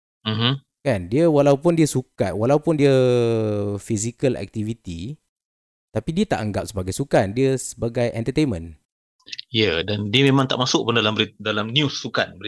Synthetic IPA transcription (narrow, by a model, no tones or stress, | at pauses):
m̩m̥m̩ | kandiəwalawpʊndiəsuka̰t̪̚walawpʊndiə | fizikəlɛ̰k̚t̪ivit̪i | t̪apidiət̪a̰ʔaŋɡap̚səbaɡajsukandiəsəbaɡajʔɛnt̪ət̪enmə̃n | jədandiəmẽmãŋt̪aʔmasʊk̚pʊndalambəɾidalamnjusːukanbəi